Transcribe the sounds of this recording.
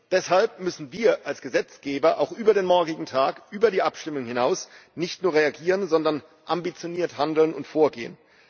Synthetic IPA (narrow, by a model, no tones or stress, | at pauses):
d̥ɛshalp̚mʏsn̩viːɐʔalsɡ̥əzɛt͡sɡ̥eːbɐʔaʊxʔyːbɐɾeːnmɔɐɡɪɡŋ̩tʰaːkʔyːbɐɾiːʔapʃtɪmʊŋhɪnaʊsnɪçtnuːɐʁeaɡiːʁənzɔndɐn | ʔambit͡sjoniːɐthandl̩nʊntfoːɐɡḛːə̰n